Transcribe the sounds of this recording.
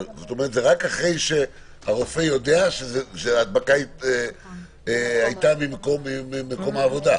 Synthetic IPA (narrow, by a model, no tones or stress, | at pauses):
zot̪o̞meʁt̪zeʁakaχʁe̞jʃe̞ | haʁo̞fe̞jo̞d̪e̞aʃezeʃeaːd̪̚bakaie | eajt̪amimkomːimimeko̞maːvo̞d̪a